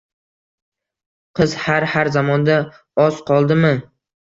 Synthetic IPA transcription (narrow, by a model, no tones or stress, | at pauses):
qʰɨz̥haɾhaɾzamɒnd̪a | ɒz̥qʰɒlˠd̪ɪmɪ